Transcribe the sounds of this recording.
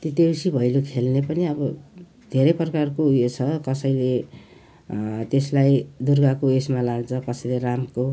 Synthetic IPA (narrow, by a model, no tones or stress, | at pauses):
t̪it̪ewsibʱʌjlokʰelnepʌniʌbʌ | d̪ʱeɾʌjprʌkarkoɦujot͡sʰʌkʌsʌjle | t̪eslajd̪urɡakoesmalaɡt͡sʰʌkʌsʌjleramko